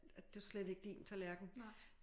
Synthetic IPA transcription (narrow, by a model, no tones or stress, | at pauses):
æd̥e̝æslede̝ɡ̥əd̥ḭːnt͡sʰælæɐɡ̥n̩